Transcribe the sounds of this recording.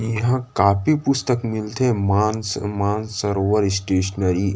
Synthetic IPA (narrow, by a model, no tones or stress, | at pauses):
jɐɦãkaːpipʊst̪əkmɪlt̪ɦɛ̃maːnsmãːnsɐɾoʋəɾɪsʈeːʃənəɾi